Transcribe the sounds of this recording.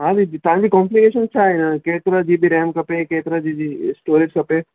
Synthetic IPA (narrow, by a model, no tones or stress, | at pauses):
ɦaːɾit̪ãːbʱikɔ̃ːmplikeːʃənt͡ʃʰaːenakeːt̪ɾad͡ʒiːbʱiɾɛːmkɐpekeːt̪ɾad͡ʒiːd͡ʒisʈoːɾɪd͡ʒkɐpe